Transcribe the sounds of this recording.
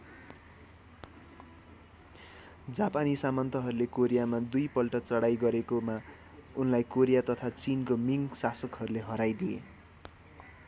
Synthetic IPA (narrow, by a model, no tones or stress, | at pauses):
d͡zapanisamʌnt̪ʌɦʌɾulekoɾijamad̪ujpʌlʈʌt͡sʌɽajɡʌɾekoma | unlajkoɾijat̪ʌt̪ʰat͡sinkomiŋsasʌkɦʌɾuleɦʌɾajd̪iḛ